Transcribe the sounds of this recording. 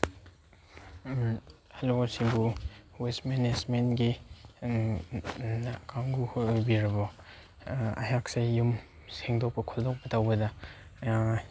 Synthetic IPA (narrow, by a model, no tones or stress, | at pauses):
halosibuwesmenesmenɡi | kʰaŋɡuhojbiɾɐbɔ | a̰jak̚sejjum | seŋdɔk̚pɐkʰɔldɔk̚pɐtawbɐdɐ